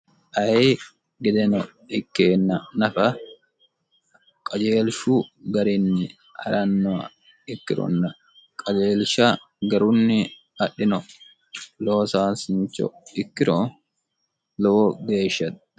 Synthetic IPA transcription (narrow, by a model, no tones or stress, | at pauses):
ʔɐj | ɡɛd̪ɛnɔ | ɪkːeːnːɐnɐfɐ | kʼɐd͡ʒeːlʃuɡɐɾɪnːɪ | hɐ̰ɾɐnːɔɐ | ɪkːɪɾɔ̰nːɐ | kʼɐd͡ʒeːlʃɐ | ɡɐɾʊnːɪ | ɐɗɪnɔ | loːsaːsɪɲt͡ʃːɔ̰ɪkːɪɾɔ | lɔwɔɡeːʃːɐt̪